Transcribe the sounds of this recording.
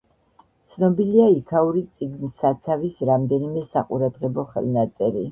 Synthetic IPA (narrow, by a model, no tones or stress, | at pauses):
t̪sʰnɔbiliaikʰauɾit̪sʼiɡnisat̪sʰavisɾamd̪ɛnimɛsa̰qʼṵɾad̪ʁɛbɔχɛ̰lˠnat̪sʼɛɾi